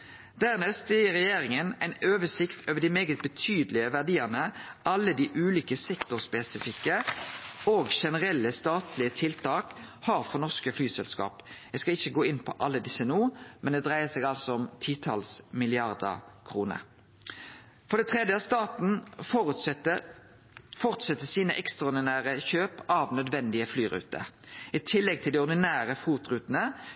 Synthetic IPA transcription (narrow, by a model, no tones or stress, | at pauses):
d̪̥æʁnɛst̪ɪʁɛjeːɾɪŋənæɪnøːʋəsɪkt̪ʰoːʋəd̪imeːɡət̪̚bət̪ʰyːd̪lɪəʋæʁd̪iːənəʔɑlːəd̪iːʔʉːliːkəsɛkt̪ʊʁspɛsɪfɪkːə | oːɡʃɛnəʁɛlːəst̪ɑːt̪lɪət̪ʰɪlt̪ʰɑːkhɑːʁfɔnɔʁskəflyːsɛlskɑ̰ːpjæɡskɑɪçːəɡoːɪnpʰɔ̰ʔɑlːəd̪ɪsːənuːmʔɛnd̪ɛd̪ʁæɪəsɛːɡɑlsɔɔmt̪ʰiːt̪ʰɑlsmɪlɪɑʁd̪ə̰kʰʁuːnə̰ʁ | fɔʁd̪ɛt̪ʰʁɛd̪jəɑʋst̪ɑːt̪n̩ | fɔʁt̪sɛt̪ːəsiːnəʔɛkst̪ʁɑɔd̪ɪnæːɾəçøːpɑʋnœd̪ʋɛnd̪ɪəflyːʁʉ̰ːt̪ə̰ɪt̪ʰɪlːɛɡ̚t̪ʰɪld̪ɛɔɾd̪ɪnæːʁəfuːt̪ʁʉːt̪nə